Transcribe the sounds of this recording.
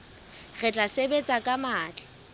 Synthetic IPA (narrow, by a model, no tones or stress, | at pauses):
ɣɛt͡ɬʼasebet͡sʼakʼamaːt͡ɬʼḁ